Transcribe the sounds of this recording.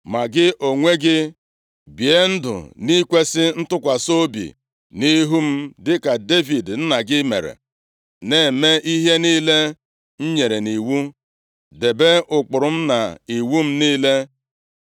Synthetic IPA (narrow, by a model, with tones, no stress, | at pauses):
ma˨ɡɪ˦ʔo˨ŋʷe˦ɡɪ˦ | bje˦n̩˦dʊ̰˨ni˦kʷe˦sɪ˦n̩˦tʊ˦kʷa˨so˦bḭ˨ | ni˦ɦu˦m̩˦dɪ˦ka˨de˦vi˨dn̩˦na˨ɡɪ˦mḛ˨ɾḛ˨ | ne˨me˦ʔi˦ɦe˦niː˦le˦ | n̩˦ɲe˨ɾe˨ni˨wu˦ | de˨be˦ʔʊ˨k͡pʊ˨ɾʊ˨m̩˦na˨i˨wu˦m̩˦niː˦le˦